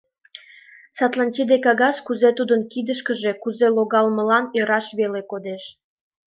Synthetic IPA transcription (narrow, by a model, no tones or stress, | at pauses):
sɑt̪lɑnʲtʲid̪ekɑɣɑskuzet̪ud̪ənkid̪əʃkəʒe̽kuzeloɣɑlməlɑnøɾɑʃβelekod̪eʃ